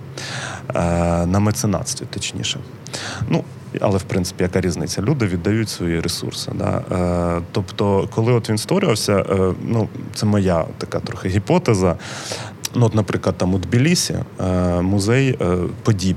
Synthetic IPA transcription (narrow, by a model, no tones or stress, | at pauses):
nɐmet̪sɪnɑ̰t̪sʲt̪ʲit̪ɔt͡ʃʲnʲḭʃɛ | nu | ɐ̰lˠɛwpɾɪnsɪ̥pʲijɐkaɾʲiznɪt͡sʲːɐlʲud̪ɪʋʲid̪ːɐjutʲsʋɔjiɾʔesṵrsɪ̰d̪a̰ | t̪ɔpt̪ɔkɔlˠɪɔt̪ʋʲinst̪ʋɔɾʲɪʋɐwsʲɐʔnut̪sɛmɔjat̪ːɐkat̪ɾɔxɪɦʲipɔt̪ezɐ | nuɔt̪nɐpɾɪklˠɐd̪̚t̪ɑmʊd̪bʲilʲisʲḭmʊzɛjpɔdʲib